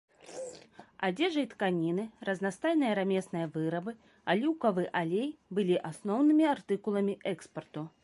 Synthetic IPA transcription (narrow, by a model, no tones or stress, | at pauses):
ad͡zʲɛʐɐjt̪kanʲinɨrɐznast̪ajnɨjɐɾamʲɛsnɨjɐvɨɾɐbɨ | alʲuwkɐvɨʔalʲejbɨlʲiʔasnɔwnɨmʲiart̪ɨkulˠɐmʲiʔɛkspɐrt̪u